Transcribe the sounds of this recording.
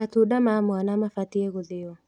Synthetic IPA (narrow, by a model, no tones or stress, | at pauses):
atuɗamamuanamafatiɛɣuðiwa